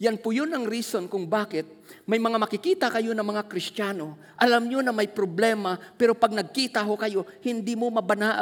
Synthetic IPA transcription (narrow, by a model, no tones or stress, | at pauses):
janpʊjʊnɐŋɾiːso̞nkʊŋbaːkɪt̪̚mɐjmɐŋamɐkɪkiːt̪ɐkɐjo̞nɐŋmɐŋakɾɪst̪aːno | ʔɐlamɲonɐmajpɾoblɛːmapɛɾopɐɡ̚nɐɡ̚kiːt̪ɐɦokɐjo̞hɪnd̪imomɐbanaʔ